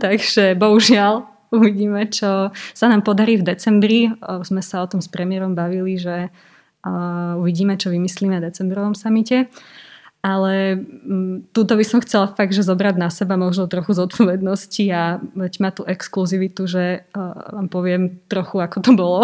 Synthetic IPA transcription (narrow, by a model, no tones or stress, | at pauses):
t̪aɡʒ̥ɛbɔɦuʒɪal | uʋiɟiːmɛt͡ʃɔsanaːmpɔd̪aɾiːvd̪ɛt͡sɛmbɾizmɛsaɔt̪ɔmspɾɛmɪɛɾɔmbaʋiliʒɛ | uʋiɟiːmɛt͡ʃɔʋimisliːmɛd̪ɛt͡sɛmbɾɔʋɔmsamicɛ | alɛ | t̪ut̪ɔbisɔmxt͡sɛlafaɡ̪̚ʒɛzɔbɾad̪nasɛbamɔʒnɔt̪ɾɔxuzɔt̪̚pʰɔʋɛd̪nɔsciabɛɟmat̪uʔɛkskluziʋit̪uʒɛʋaːmpɔʋɪɛmt̪ɾɔxuakɔt̪ɔbɔlɔ